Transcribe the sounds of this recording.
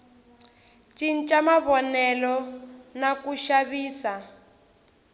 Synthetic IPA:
t͡ʃʼin̩t͡ʃʼamaβɔnɛlɔnakuʃaβiːsa

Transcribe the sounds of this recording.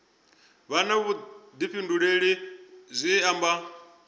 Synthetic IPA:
βanaβud̪iɸʰinduɺeɺizʷiamba

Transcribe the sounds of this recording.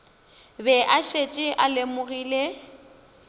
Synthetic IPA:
bɛʔaʃet͡ʃʼɪʔalemʊɣiːle

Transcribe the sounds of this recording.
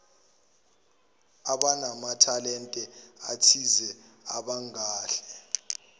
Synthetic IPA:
aɓanamatʰalɛntʼɛatʰizɛaɓaŋaːɬɛ̥

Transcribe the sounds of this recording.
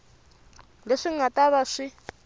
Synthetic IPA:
leʂiŋ̩atʼaβaʂi

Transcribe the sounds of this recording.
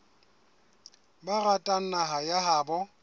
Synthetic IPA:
baratʼan̩naɦajaɦaːbɔ

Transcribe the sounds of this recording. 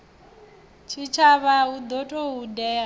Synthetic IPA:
t͡ʃʰit͡ʃʰaβaud̪ɔtʼɔudɛa

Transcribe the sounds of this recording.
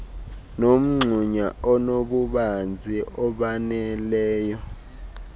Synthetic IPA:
nom̩ŋ͡ǀʱuɲaɔnoɓuɓand͡zʱiʔɔɓanɛlɛːjɔ

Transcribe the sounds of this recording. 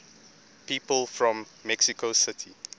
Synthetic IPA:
piːpəlˠfɹɔ̃mːɛksikosɪtʰi

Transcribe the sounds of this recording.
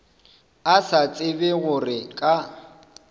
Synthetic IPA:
asat͡sʼɪbɪɣʊrɪkʼa

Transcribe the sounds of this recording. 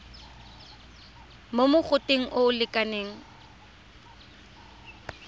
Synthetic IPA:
momʊχʊtʼeŋ̩ʔʊʊlɪkʼaneːŋ̩

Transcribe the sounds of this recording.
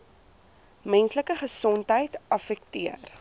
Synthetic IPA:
mɛnsləkəχəsɔntɦəjtɐfɛk̚tiər

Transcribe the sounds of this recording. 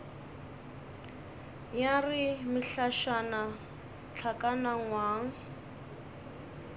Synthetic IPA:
jarɪmɪɬaʃana | t͡ɬʰakʼanaŋ̩waːŋ̩

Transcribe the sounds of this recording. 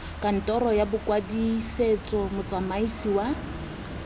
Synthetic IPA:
kʼan̩tʼɔɾɔjabʊkʼwadiset͡sʼɔmʊt͡sʼamaisiwa

